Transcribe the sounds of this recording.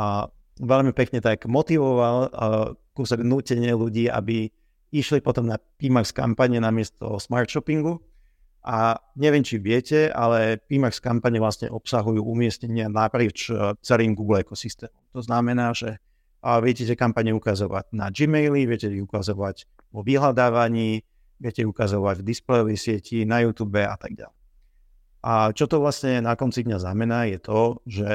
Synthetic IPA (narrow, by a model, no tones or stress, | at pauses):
ʋɛʎmipɛkɲɛt̪aɡmɔt̪iʋɔʋal | kusɛɡnuːcɛɲɪɛluɟiːʔa̰bi | iʃlipɔt̪ɔmnapimakska̰mpaɲɛnamɪɛst̪ɔ̰smaːɾt̪ʃɔpiŋɡu | ʔaɲɛʋɪɛmt͡ʃiʋɪɛcɛa̰lɛpiːmakskampaɲɛʋlasɲɛ̰ʔɔpsaɦujuːʔumɪɛsɲɛɲɪanapɾɪiːt͡ʃt͡sɛliːmɡuːɡlɛkɔsist̪ɛːmɔmt̪ɔznamɛnaːʒɛ | ʋɪɛcɛcɛkampaɲɛukazɔʋa̰ɟnad͡ʒimɛjliʋɪɛcɛiukazɔʋaɟ | ʋɔʋiɦlad̪aːʋaɲiː | ʋɪɛcɛukazɔʋaɟvd̪isplɛjɔʋɛjsɪɛcʰinajuːt̪uːbɛa̰t̪aɡ̚ɟa̰lɛ | ʔat͡ʃɔt̪ɔʋlasɲɛnakɔnt͡sid̪ɲaznamɛnaːjɛt̪ʰɔʒɛ